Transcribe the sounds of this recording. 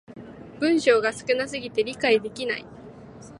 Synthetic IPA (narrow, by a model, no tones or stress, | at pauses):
b̥ɯ̟̃ɰ̃ɕo̞ːɡasɨ̥kɯ̟nasɨɡʲit̪e̞ɾʲikaid̪e̞kʲina̰i